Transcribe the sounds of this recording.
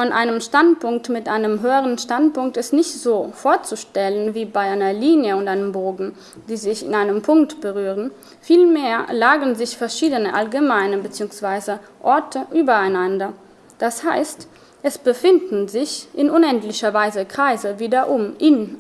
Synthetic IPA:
fɔnʔa̰ɪnəmʃtantpʊŋk̚tmɪtʔaɪnəmɦøːəʁənʃtantpʊŋk̚tɛsnɪçtz̥oːfoːɐt͡suʃtɛlənviːbaɪʔaɪnɐliːnjəʊntʔaɪnəmboːɡŋ̩ | d̥iːzɪçɪ̰naɪnəmpʰʊŋktb̥əʁyːʁ̞ən | fiːlmeːɐlaːɡənzɪçfɛɐʃiːdənəʔalɡəmaɪnəbət͡siːʊŋsv̥aɪzəʔɔɐtʰəʔyːbɐaɪnandɐ | d̥ashaɪst | ʔɛsb̥əfɪndn̩zɪçʔɪnʊnɛntlɪçɐvaɪzəkʁ̥aɪzəviːdɐʔʊmʔɪn

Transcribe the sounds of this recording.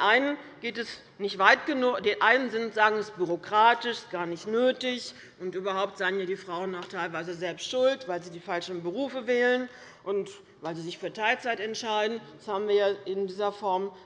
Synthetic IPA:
nʔaɪnənɡ̥eːtɛs | nɪçtv̥aɪtɡ̥ənʊd̥eːnʔaɪnənzɪntz̥aːɡŋ̩ɛsb̥yʁokʁ̥aːtɪʃɡ̥aːɐnɪçtnøːtɪç | ʔʊntʔyːbɐhaʊp̚tz̥aɪənjaːdiːfʁ̥aʊənːaːχtʰaɪlvaɪzəzɛlpstʃʊltv̥aɪlziːdiːfalʃn̩bəʁ̞uːfəvɛːlən | ʔʊnt | vaɪlziːzɪçfyːɐtʰaɪlt͡saɪtɛntʃaɪdn̩d̥ashaːbm̩viːɐjaːʔɪndiːzɐfɔɐm

